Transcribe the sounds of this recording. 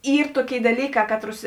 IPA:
ˈiːr ˈtuɔˌkʲeːɪ dɐˈlʲiːˌkɑː ˈkɑːtˌrʊs

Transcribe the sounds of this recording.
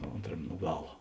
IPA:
ˈoːntrɐmʲ nʊ ˈɡɑːlˠɐ

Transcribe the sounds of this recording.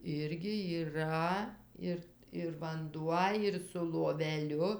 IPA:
ˈɪrʲɡʲɪ iːˈrɐ ˈɪr ɪr ʋɐnˈduɔ ɪr sʊ lˠoːʋʲɛˈlʲʊ

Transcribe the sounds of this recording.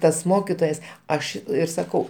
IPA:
ˈtɐs ˈmoːkʲɪtoːjɛs ˈɐʃ ˈɪr sɐˈkɐʊ

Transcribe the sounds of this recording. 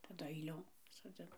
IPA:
tɐˈdʊ ɐɪˈlʲoːm soːˈd͡zʲɪn

